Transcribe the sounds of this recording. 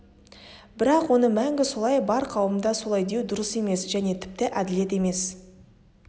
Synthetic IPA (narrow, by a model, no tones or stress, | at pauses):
bɪɾɑqwo̞nəmæŋɡʲɪso̞lˠɑjbɑɾqʰɑwəmd̪ɑso̞lˠɑjd̪e̞wd̪ʊɾəse̞me̞sʒæne̞t̪ʰɪ̥p̚t̪ɪʔæd̪ɪle̞t̪e̞me̞s